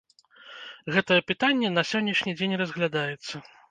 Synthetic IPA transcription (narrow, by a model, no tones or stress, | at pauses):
ɣɛt̪ɐjɛpɨt̪anʲːɛn̪ɐsʲɔnʲːɛʂnʲid͡zʲenʲrɐzɣlʲad̪ajɛt̪sːɐ